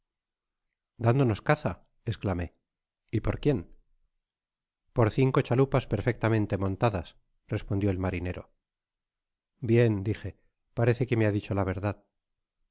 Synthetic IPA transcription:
d̪and̪o̞no̞skaθa | esklame̞ | ipo̞ɾkje̞n | po̞ɾθiŋko̞t͡ʃalupaspe̞ɾfe̞k̚t̪amẽ̞nt̪e̞mõ̞nt̪aðas | re̞spo̞nd̪jo̞elmaɾine̞ɾo̞̰ | bje̞nd̪ixe̞ | paɾe̞θe̞kemeaðit͡ʃo̞laβ̞e̞ɾðað

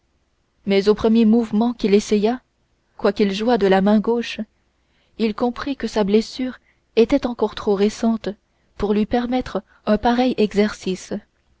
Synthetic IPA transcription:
mɛzopχəmjemuvmɑ̃kilesɛja | kwakilʒuwad̪əlamɛ̃ɡoʃ | ilkɔ̃pχikəsablɛsyːʁ | et̪ɛt̪ɑ̃kɔʁt̪χoʁesɑ̃t̪ | puʁlɥipɛʁmɛt̪χə | œ̃paʁɛjɛɡzɛʁsis

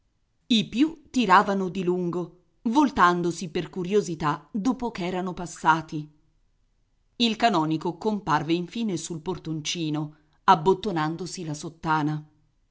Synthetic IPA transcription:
ipjut̪ːiɾaːvanod̪iluŋɡo | volt̪and̪osiperkuɾjozit̪ad̪oːpokɛːɾanopasːaːt̪i | ilkanɔːnikokomparveiɱfiːnesulport̪ont͡ʃiːno | abːot̪ːonand̪osilasot̪ːaːna

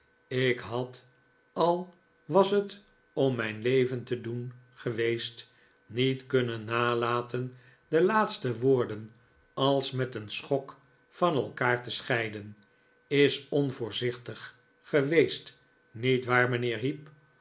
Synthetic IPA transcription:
ɪkɦɑt | ɑlˠ | ʋɑsət | ɔmːɛjnlejvəntədun | χəʋejst | nitkɵnənːaːlaːtən | dəlaːt̪stəʋoːɹdən | ɑlˠsmɛtənsχɔk | fɑnɛlˠkaːɹtəsχɛjdən | ɪsɔnvʊːɹzɪχtəχː | əʋejst | nitʋaːɹmənɪːɹɦip

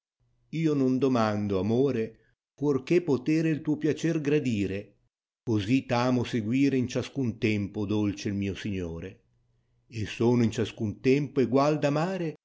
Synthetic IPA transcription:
iːonond̪omand̪oamoːɾe | fwork̟epot̪eːɾeilt̪uːopjat͡ʃɛrɡɾad̪iːɾe | kozit̪aːmoseɡwiːɾeint͡ʃaskunt̪ɛmpod̪olt͡ʃeilmiːosiɲːoːɾeː | sːoːnʊint͡ʃaskunt̪ɛmpoeɡwald̪amaːɾe

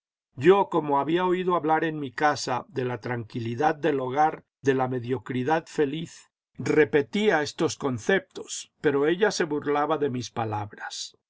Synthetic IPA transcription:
ɟ͡ʝo̞ko̞mo̞aβiao̞iðoaβlaɾe̞nmikasaðe̞lat̪ɾaŋkiliðað̚d̪e̞lo̞ɣ̞aɾ | ðe̞lame̞ðjo̞kɾiðaðfe̞liθ | re̞pe̞t̪iae̞st̪o̞sko̞nθe̞p̚t̪o̞spe̞ɾo̞e̞ʎase̞βuɾlaβaðe̞mispalaβɾas

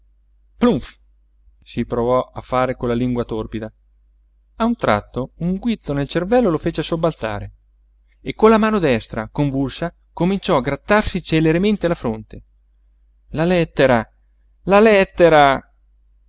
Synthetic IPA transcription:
pluɱf | sipɾovɔafːaːɾekonlːaliŋɡwat̪orpid̪a | aunt̪ɾa̰t̪ːouŋɡwit̪sːonelt͡ʃervɛlːolofeːt͡ʃeasobːalt̪sa̰ːɾe | ekːolːamaːnod̪ɛst̪ɾakoɱvulsa | komint͡ʃɔaɡɾat̪ːarsit͡ʃeleɾement̪ealafɾont̪e | lalɛt̪ːeɾa | lalɛt̪ːeɾa

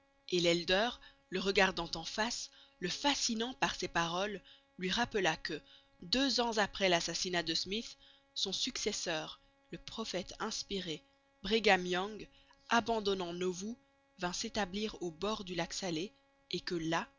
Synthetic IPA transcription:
elɛld̪œʁ | ləʁəɡaʁd̪ɑ̃t̪ɑ̃fasləfasinɑ̃paʁsepaʁɔlː | ɥiʁapəlakə | d̪øzɑ̃zapχɛlasasinad̪əsmiθ | sɔ̃syksɛsœːʁ | ləpχɔfɛt̪ɛ̃spiʁe | bʁeɡamjɔ̃ŋɡ | abɑ̃d̪ɔnɑ̃novu | vɛ̃set̪abliʁobɔʁd̪ylaksale | ekəla

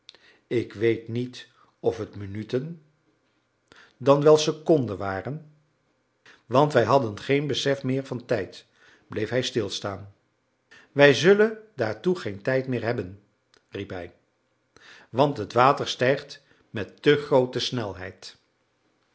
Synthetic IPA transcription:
ɪkʋejtnit | ɔfətmynytən | dɑnʋɛlˠsəkɔndənʋaːrən | ʋɑntʋɛjɦɑdənχejnbəsɛfmɪːɹvɑntɛjt | blejfɦɛjstɪlˠstaːn | ʋɛjzɵləndaːɹtuχejntɛjtmɪːɹɦɛbən | ripɦɛj | ʋɑntɦətʋaːtəɹstɛjχt | mɛtːɵχrowtəsnɛlˠɦɛ̰jt

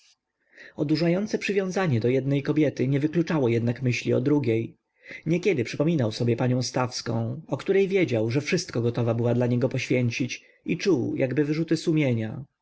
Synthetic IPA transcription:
ɔd̪uʐajɔnt̪sɛpʂɘvjɔ̃w̃zaɲɛd̪ɔjɛd̪nɛjkɔbʲjɛt̪ɘɲɛvɘklut͡ʂawɔjɛd̪nakmɘɕlʲiɔ̰d̪ɾuɡʲej | ɲɛkʲɛd̪ɘpʂɘpɔmʲinawsɔbʲjɛpaɲɔ̃w̃st̪afskɔ̰̃w̃ɔkt̪uɾɛjvʲjed͡ʑawʐɛfʂɘst̪̚kɔɡɔt̪ɔvabɘwad̪laɲɛɡɔpɔɕfʲjɛɲt͡ɕit͡ɕ | it͡ʂuwjʔaɡbɘvɘʐut̪ɘsumʲjeɲa̰

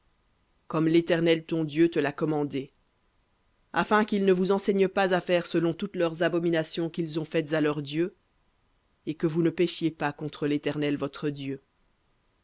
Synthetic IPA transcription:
kɔmlet̪ɛʁnɛlt̪ɔ̃d̪jøt̪əlakɔmɑ̃d̪e | a̰fɛ̃kilnəvuzɑ̃sɛɲəpazafɛʁsəlɔ̃t̪ut̪lœʁzabɔminasjɔ̃kilzɔ̃fɛt̪zalœʁd̪jø | ekəvunəpeʃjepakɔ̃t̪χəlet̪ɛʁnɛlvɔt̪χəd̪jø

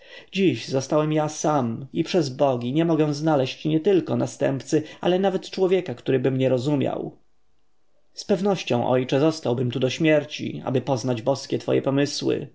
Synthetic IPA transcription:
d͡ʑiʑzɔst̪awɛmjasamipʂɛzbɔɡʲiɲɛmɔɡɛw̃znalɛɕt͡ɕɲɛt̪ɘlkɔnast̪ɛ̰mpt̪sɘa̰lɛnavɛt̪t͡ʂwɔvʲjɛkakt̪uɾɘbɘmɲɛɾɔzumʲja̰w | spɛvnɔɕt͡ɕɔ̰̃w̃ʔɔ̰jt͡ʂɛzɔst̪awbɘmt̪ud̪ɔɕmʲjɛɾt͡ɕḭa̰bɘpɔznad͡ʑbɔskʲɛt̪fɔ̰jɛ̰pɔmɘswɘ̰

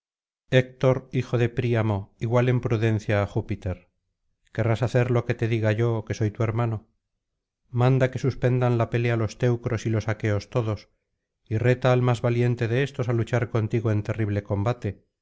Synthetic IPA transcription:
ek̚t̪o̞ɾixo̞ðe̞pɾiamo̞iɣwale̞mpɾuðe̞n̟θjaːxupit̪e̞ɾ | ke̞rasaθe̞ɾlo̞ke̞t̪e̞ðiɣaʝo̞ke̞so̞jt̪ue̞ɾmano̞ | mãnd̪ake̞suspe̞nd̪anlape̞lealo̞st̪e̞wkɾo̞silo̞sake̞o̞st̪o̞ðo̞s | ire̞t̪aːlmazβalje̞nt̪e̞ðe̞est̪o̞salut͡ʃaɾko̞nt̪iɣoe̞nt̪e̞riβle̞ko̞mbat̪e̞

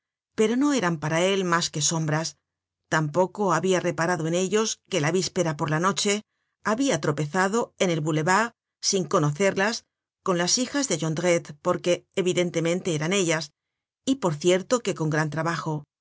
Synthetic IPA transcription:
pe̞ɾo̞no̞e̞ɾampaɾae̞lmaske̞so̞mbɾas | t̪ampo̞ko̞aβiare̞paɾaðo̞e̞ne̞ʎo̞ske̞laβispe̞ɾapo̞ɾlano̞t͡ʃe̞ | aβiat̪ɾo̞pe̞θaðo̞e̞ne̞lβule̞βaɣ | siŋko̞no̞θe̞ɾlas | ko̞nlasixazðe̞ʝo̞nd̪ɣet̪po̞ɾke̞ːβiðe̞nt̪e̞mẽ̞nt̪e̞eɾane̞ʎas | ipo̞ɾθje̞ɾt̪o̞ke̞ko̞ŋɡɾant̪ɾaβaxo̞

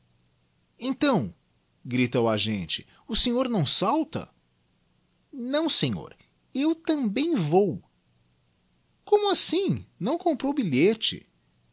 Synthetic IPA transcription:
ẽnt̪ɐ̃w̃ | ɡɾit̪ɐʊaʒẽnt͡ʃɪ̥ | ʊsẽɲoɾnɐ̃w̃sawt̪ɐ̰ | nɐ̃w̃sẽɲo̰ɾ | ewt̪ɐ̃bẽj̃vow | kõmʊasĩnɐ̃w̃kõpɾowbiʎet͡ʃɪ̰

